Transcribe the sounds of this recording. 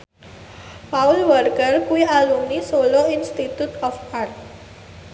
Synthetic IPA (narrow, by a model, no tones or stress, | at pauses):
paulʋəɾkəɾkuialumnisoloinsʈit̪jut̪ɔfaɾt̪